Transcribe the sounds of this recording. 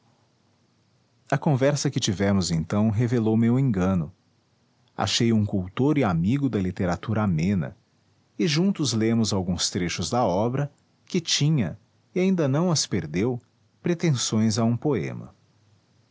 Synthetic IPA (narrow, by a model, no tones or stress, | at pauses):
ɐkõvɛɾsɐkɪt͡ʃivɛmʊzẽnt̪ɐ̃w̃ɦevelowmewẽŋɡɐ̃nʊ | a̰ʃejũkuwt̪oɾɪamiɡʊd̪ɐlit̪eɾat̪uɾɐamẽnɐ̰ | ɪʒũnt̪ʊzlẽmʊzawɡũst̪ɾeʃʊzd̪ɐɔbɾɐ | kɪt͡ʃĩɲɐ | ɪaĩnd̪ɐnɐ̃w̃ɐspeɾd̪ew | pɾet̪ẽsõj̃zaũpoḛ̃mɐ̰